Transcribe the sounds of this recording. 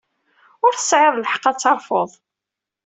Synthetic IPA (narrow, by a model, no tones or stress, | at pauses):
ʊɾθə̥sʕɪðˤləħə̥qːɑt͡sːɑɾˤfoðˤ